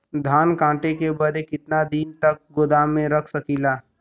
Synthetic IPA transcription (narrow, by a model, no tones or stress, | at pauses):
d̪ʱaːnkãːʈekebɐd̪ekɪt̪nad̪iːnt̪ɐk̚ɡʊd̪aːmẽɾɐkʰsɐkiːlaː